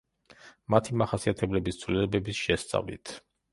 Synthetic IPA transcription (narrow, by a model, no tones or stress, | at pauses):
mat̪ʰimaχasiat̪ʰɛblɛbist̪sʰvlilɛbɛbisʃɛst̪sʼa̰vḭt̪ʰ